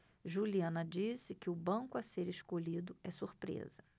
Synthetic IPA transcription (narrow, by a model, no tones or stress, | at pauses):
ʒuliɐ̃nɐd͡ʒisɪkɪʊbɐ̃kʊaseɾɪʃkoʎid̪ʊɛsuɾpɾḛzɐ